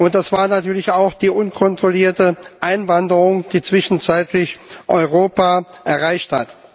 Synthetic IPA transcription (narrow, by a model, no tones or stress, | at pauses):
ʔʊnt̚d̥asv̥aːɐnatyːɐlɪçaʊxd̥iːʔʊnkʰɔntʁ̥oliːɐtəʔaɪnvandəʁʊŋd̥iːt͡sv̥ɪʃn̩t͡saɪtʰlɪçʔɔʏʁoːpaʔɛɐʁaɪçthat